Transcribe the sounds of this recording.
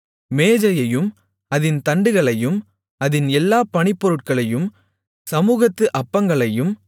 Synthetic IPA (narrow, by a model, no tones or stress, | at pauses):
meːd͡ʒɐjɐjɯm | ɐðɪnt̪ɐɳɖɯɣɐɭɐjɯm | ɐðɪnɛlːaːpɐɳɪpːɔɾɯʈ̚kɐɭɐjɯm | sɐmuːɣɐt̪ːɯʔɐpːɐŋɡɐɭɐjɯm